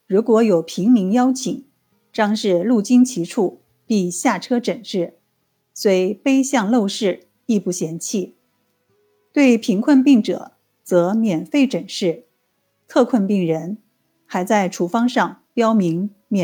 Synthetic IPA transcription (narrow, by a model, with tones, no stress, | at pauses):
ɻu˧˥kwɔ˧˥jo˨˩ʊpʰi˧˥ŋmi˧˥ŋjɑ˥ʊt͡ɕʰi˨˩˦ŋ | ʈ͡ʂɑ˥ŋʂɻ̩˥˧lu˥˩t͡ɕi˥ŋt͡ɕʰi˧˥ʈ͡ʂʰu˥˩ | pi˥˧ɕja˥˩ʈ͡ʂʰɤ˥ʈ͡ʂə˨˩ŋʂɻ̩˥˩ | swe˧˥ɪpe˥ɪɕjɑ˥˧ŋlo˥˧ʊʂɻ̩˥˩ | i˥˧pu˥˩ɕjɛ˧˥nt͡ɕʰi˥˩ | t̪we˥˩ɪpʰi˧˥ŋkʰwə˥˧npi˥˩ŋʈ͡ʂɤ̰˨˩˦ | t͡sɤ˧˥mjɛ˨˩nfe˥˩ɪʈ͡ʂə˨˩ŋʂɻ̩˥˩ | t̪ʰɤ˥˧kʰwə˥˧npi˥˩ŋɻə˧˥n | xa˧˥ɪt͡sa˥˩ɪʈ͡ʂʰu˨˩fɑ˥ŋʂɑ˥˩ŋpjɑ˥ʊmi˧˥ŋ | mjɛ˨˩